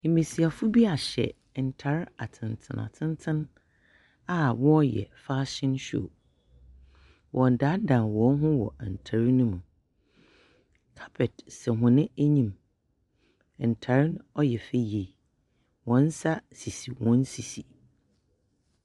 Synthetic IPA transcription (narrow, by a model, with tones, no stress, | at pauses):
mĩ˨si˨a˨fʊ˦bi˦a˨ɕɛ̰˨ | ɛ˨n̩˨tʰa˨ɾa˨tʰɪ̃˨ntʰɪ̰̃˨na̰˨tʰɪ̃˦n˦tʰɪ̃˦n | a˦wɔ˦jɛ̰˨fa˦ɕɪ̃˦nɕᶣo̰˨ | wʔɔ̃˨n˨da˨˦dã˨nwɔ̃˨˦n˦ɦʊ̃˦wɔ̰˨a˨n̩˨tʰa˨ɾi˦nʊ̃˦mũ˨ | kʰḁ˦pʰɛ˨tsɛ˨ɦʊ̃˨nɪ̃˦æ˦ɲĩ˦m | ɛ˨n̩˨tʰa˨ɾɪ˦nɔ˦jɛ˨fe˦˨je˨ | wɔ̃˦n̩˦sa˦si˨si˨wɔ̃˦n˦si˨si˨